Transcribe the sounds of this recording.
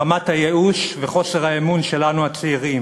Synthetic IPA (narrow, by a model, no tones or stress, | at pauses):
amathajeuʃveχo̞seʁhaemunʃe̞lanuat͡seiʁim